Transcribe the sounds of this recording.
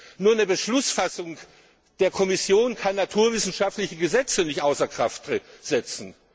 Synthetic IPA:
nuːɐnəbəʃlʊsfasʊŋ | d̥eːɐkʰɔmɪsjoːnkʰanːatʰuːɐvɪsn̩ʃaftlɪçəɡəzɛt͡sənɪçtʔaʊsɐkʁ̥aftʁz̥ɛt͡sn̩

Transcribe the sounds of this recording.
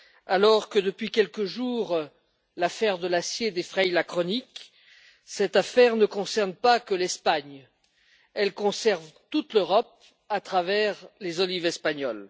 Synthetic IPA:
alɔʁkəd̪əpɥikʲɛlkəʒuʁ | lafɛʁd̪əlasjed̪efχɛjlakχɔnik | sɛt̪afɛʁnəkɔ̃sɛʁnpakəlɛspaɲ | ɛlkɔ̃sɛʁvt̪ut̪løʁɔp̚ | at̪χavɛʁlezɔlivɛspaɲɔl

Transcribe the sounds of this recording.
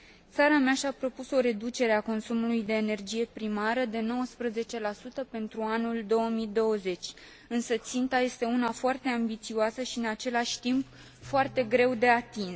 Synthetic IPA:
t̪saɾameaʃapɾo̞puso̞ɾe̞d̪ut͡ʃe̞ɾe̞ako̞nsumulujd̪e̞ːne̞rd͡ʒije̞pɾimaɾəd̪e̞no̞wəspɾəze̞t͡ʃe̞lasut̪əpe̞nt̪ɾuanuld̪o̞əmid̪o̞wəze̞t͡ʃʲ | ɨnsət̪sint̪aje̞st̪e̞unafoart̪e̞ambit̪sioasəʃiɨnat͡ʃe̞laʃʲt̪imp | foart̪e̞ɡɾe̞wd̪e̞at̪in

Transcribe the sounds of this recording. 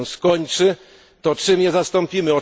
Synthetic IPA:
skɔɲt͡ʂɘ | t̪ɔt͡ʂɘmɲɛzast̪ɔ̃mpʲimɘɔ

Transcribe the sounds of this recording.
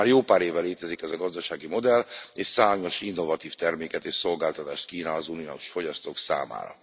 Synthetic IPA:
aːrjoːpaːɾeːvːɛleːt̪ɛzikɛzɒɡɒzd̪ɒʃaːɡimo̞d̪ɛleːʃsaːɲo̞ʃinːo̞vɒt̪iːft̪ɛrmeːkɛt̪eːʃso̞lɡaːlt̪ɒt̪aːʃt̪̚kiːnɒːzuniouʃfo̞ɟɒst̪oːksa̰ːma̰ːɾɒ̰

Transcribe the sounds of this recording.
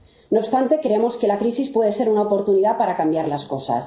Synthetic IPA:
nopst̪ant̪e̞kɾeemo̞skelakɾisispwe̞ð̞e̞se̞ɾunaopo̞ɾt̪uniðapaɾakambjaɾlasko̞sa̰s

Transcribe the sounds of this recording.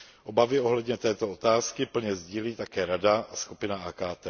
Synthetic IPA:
ʔo̞bavɪo̞ɦlɛdɲɛt̪ɛːt̪o̞ot̪aːskɪpl̩ɲɛzɟiːliːt̪akɛːɾadaaskupɪnaaːkaːt̪ɛː

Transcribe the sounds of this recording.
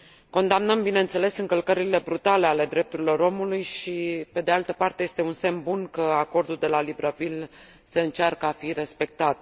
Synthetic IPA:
ko̞nd̪amnəmbine̞nt̪se̞le̞sɨŋkəlkəɾile̞bɾut̪ale̞ale̞d̪ɾe̞p̚t̪uɾilo̞ɾo̞mulujʃipe̞d̪e̞alt̪əpart̪eje̞st̪e̞unse̞mbunkəako̞rd̪uld̪e̞lalibɾəvil | se̞ɨnt͡ʃarkəafire̞spe̞k̚t̪at̪̚

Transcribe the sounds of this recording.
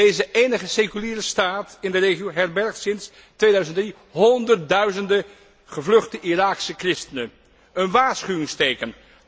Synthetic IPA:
ejzəejnəχəsekyliːrəstaːtɪndərejχiowɦɛɹbɛɹχtsɪns | tʋeːjdœɥzəndri | ɦɔndəɹt̚dœɥzəndə | χəvlɵχtəʔiraːksəkrɪstənə | ənʋaːɹsχyʋɪŋstejkən

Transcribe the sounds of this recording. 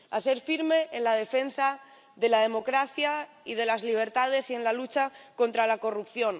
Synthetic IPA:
a̰se̞ɾfiɾme̞ːnlað̞e̞fe̞nsa | ðe̞lað̞e̞mo̞kɾaθja | iðe̞lazliβ̞e̞ɾt̪að̞e̞sie̞nlalut͡ʃako̞nt̪ɾalako̞rupθjo̞n

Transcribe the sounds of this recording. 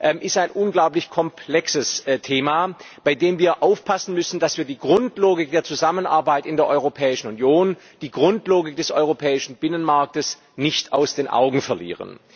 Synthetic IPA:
ʔɛmʔɪstaɪnʔʊnɡlaʊp̬lɪçkʰɔmpʰl̥ɛksəstʰeːmaː | b̥aɪdeːmviːɐʔaʊfpʰasn̩mʏsn̩d̥asv̥iːɐdiːɡʁʊntloːɡɪk̚d̥eːɐt͡suzamənʔa̰ɐbaɪtɪndeːɐʔɔʏʁopʰɛːɪʃn̩unjoːn | d̥iːɡʁʊntloːɡɪk̚d̥ɛsʔɔʏʁopʰɛːɪʃn̩b̥ɪnənmaɐk̚təs | nɪçtaʊsd̥eːnʔa̰ʊɡŋ̩fɛɐlḭːʁə̰n

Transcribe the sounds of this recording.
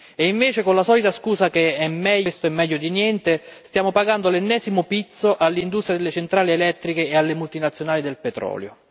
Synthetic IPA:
eiɱveːt͡ʃekonlasɔːlit̪askuːsakeɛmːɛʎst̪oɛmːɛʎːod̪injɛnt̪est̪jaːmopaɡand̪olenːɛːzimʊpit̪sːoʔalːind̪ust̪ɾjad̪elːet͡ʃent̪ɾaːlielɛt̪ːɾikeːalːemult̪inat̪sjonaːlid̪elpɛt̪ɾɔ̰ːljo̰

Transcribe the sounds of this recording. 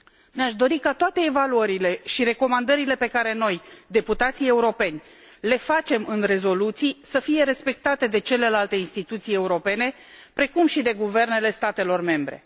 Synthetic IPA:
neaʃd̪o̞ɾikat̪oat̪e̞ːvaluəɾile̞ʃiɾe̞ko̞mand̪əɾile̞pe̞kaɾe̞no̞jd̪e̞put̪at̪sije̞uɾo̞pe̞nʲ | le̞fat͡ʃe̞mɨnre̞zo̞lut̪sijsəfije̞ɾe̞spe̞k̚t̪at̪e̞d̪e̞t͡ʃe̞le̞lalt̪e̞inst̪it̪ut̪sije̞uɾo̞pe̞ne̞ | pɾe̞kumʃid̪e̞ɡuve̞rne̞le̞st̪at̪e̞lo̞rme̞mbɾe̞̰

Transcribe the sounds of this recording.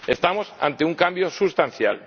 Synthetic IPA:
est̪amosa̰nt̪euŋkambjosust̪anθja̰l

